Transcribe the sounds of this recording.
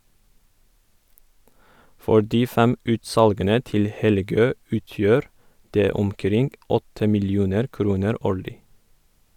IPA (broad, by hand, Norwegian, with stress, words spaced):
ˈfɔ ˈɖiː ˈfɛm ˈʉːtˌsɑlɡənə ˈtɪl ˈhɛlˌɡøː ˈʉːˌtjøːɾ ˈdeː ʊmˈkɾɪŋɡ ˈɔtə mɪlˈjuːnəɾ ˈkɾuːnəɾ ˈoːɭɪ